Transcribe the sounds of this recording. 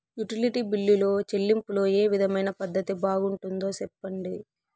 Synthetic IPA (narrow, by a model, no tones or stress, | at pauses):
juʈiliʈiːbilːulo̞ːt͡ʃe̞lːimpulo̞ːeːʋid̪ʱɐmɐjnɐpɐd̪ːɐt̪ibaːɡuɳʈund̪o̞ːsɛpːɐɳɖi